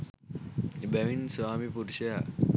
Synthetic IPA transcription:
ebæʋinsʋaːmipuɾuʃɐjaː

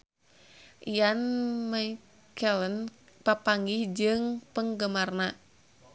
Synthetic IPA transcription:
ijanmaj | kʰɛlən | papaŋɡihd͡ʒɨŋpəŋɡəmarna

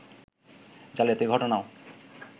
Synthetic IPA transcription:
d͡ʑalijat̪ejɡʱɔʈonao

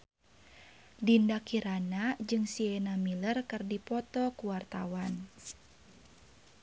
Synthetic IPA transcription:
dindakiɾanad͡ʒɨŋsiɛnamilərkɨrdipɔt̪ɔkuwart̪awan

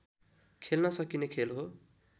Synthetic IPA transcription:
kʰelnʌsʌkinekʰelɦo

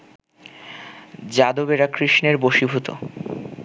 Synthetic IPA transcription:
d͡ʑad̪obeɾakɾiʃneɾboʃibʱut̪o̰

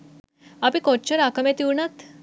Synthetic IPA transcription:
apĩkɔʈt͡ɕəɾakəmet̪iwɳat̪

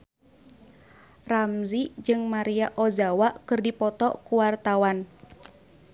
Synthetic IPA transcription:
ramzid͡ʒɨŋmaɾiaʔɔzawakɨrdipɔt̪ɔkuwart̪awan

